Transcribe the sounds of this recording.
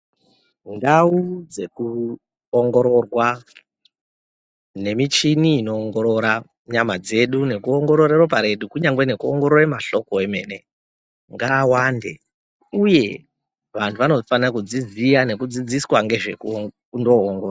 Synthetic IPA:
ndaud͡ze̞ku | oŋɡo̞ɾo̞rwa | ne̞mit͡ʃiniːno̞ːŋɡo̞ɾo̞ɾa | ɲamad͡ze̞ɗune̞kuoŋɡo̞ɾo̞ɾerwop̬aɾe̞ɗukuɲaŋɡwene̞kuoŋɡo̞ɾoremaɬo̞koeme̞̰ːne̞ | ŋɡaːwande̞̰ | uje̞ | ʋantʰuʋano̞fanakud͡zid͡zijane̞kud͡zid͡ziswaŋɡe̞ʐeku | ndoːŋɡora

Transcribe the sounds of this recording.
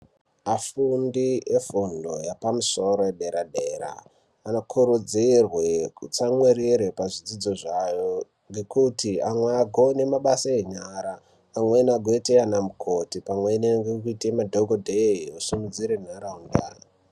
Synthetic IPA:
afundiefundo̞̰japamuso̞ɾo̞eɗe̞ɾaɗe̞ːɾa̰ː | nokʰuɾud͡zirwekut͡samweɾiɾepaʐid͡zid͡zo̞ʐajo | ŋɡe̞kutʰiamweaɡʱone̞maɓasaeɲaɾaː | mwenaɡʱoeteanamukʰo̞tipamweneŋɡekuitemadʱoɡodʱeiusumud͡ziɾen̤aɾaɦunda̰

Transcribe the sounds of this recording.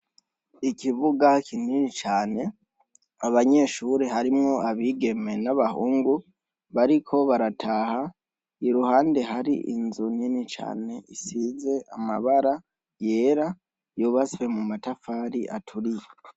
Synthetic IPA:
ikiβuɡakʰininit͡ʃaːne̞ | aβaɲe̞ːʃuːɾeɦaɾimŋo̞aβiːɡe̞me̞naβahuːŋɡu | βaɾikʰo̞βaɾatʰaha | iɾuhaːnde̞ɦaɾḭʔḭnzuninit͡ʃa̰ːne̞isiːze̞a̰ma̰βaɾa | je̞ːɾa | joβaswe̞mumatafaːɾiʔa̰tʰuɾije

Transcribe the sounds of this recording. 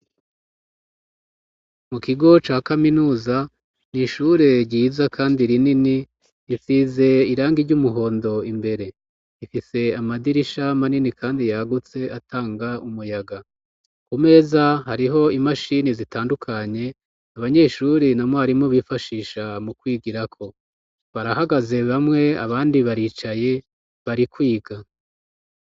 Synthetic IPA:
mukiɡo̞t͡ʃaːkaminuːza | niʃuɾe̞ɾɟiːzakʰaːndiɾinini | isiːze̞iɾaːŋɡiɾɟumuɦo̞ːndo̞imbe̞ɾe̞ | ifise̞amadiɾiʃamaninikʰaːndijaɡut͡se̞atʰaːŋɡaumujaɡa | kume̞ːzahaɾiɦo̞imaʃinizitʰaːndukʰaɲe̞ | aβaɲe̞ːʃuɾinamoaɾimoβifaʃiːʃamukwiːɡiɾakʰo̞ | βaɾahaɡaze̞βamŋe̞a̰βaːndiβaɾit͡ʃaje̞ | βaɾikwiːɡa

